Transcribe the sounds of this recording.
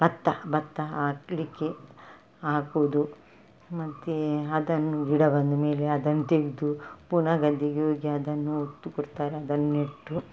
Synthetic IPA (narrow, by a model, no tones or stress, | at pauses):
b̥ɐt̪ːɐbɐt̪ːɐaːklikːe | aːkoʋd̪u | mɐt̪ːeɐd̪ɐnːuiɽɐbɐnd̪umeːleɐd̪ɐnːut̪eɡid̪upuːnɐɡɐd̪ʱːiɡeɦoːɡeɐd̪ɐnːuot̪ːukɔɽt̪aːɾeɐd̪ɐnːuneʈːu